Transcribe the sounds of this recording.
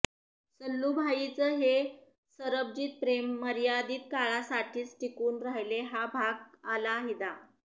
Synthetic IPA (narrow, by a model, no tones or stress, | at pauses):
səlːubʱait͡səɦe | səɾəb̚d͡ʑiːt̪̚pɾemːəɾijad̪iːt̪̚kaɭasaʈʰiːt͡sʈʰikuːnɾajleɦabʱaɡalaɦid̪a